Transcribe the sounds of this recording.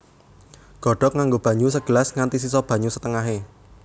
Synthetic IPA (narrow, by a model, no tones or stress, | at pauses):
ɡ̥ɔ̤ɖ̥ɔ̤k̚ŋaŋɡob̥ä̤ɲusəɡ̥ə̤lasŋant̪is̬isɔb̥ä̤ɲusət̪əŋaɦe